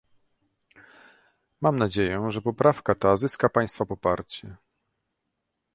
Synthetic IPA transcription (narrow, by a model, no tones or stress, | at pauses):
mamnad͡ʑejɛʐɛpɔpɾafkat̪azɘskapaj̃st̪fapɔpaɾt͡ɕɛ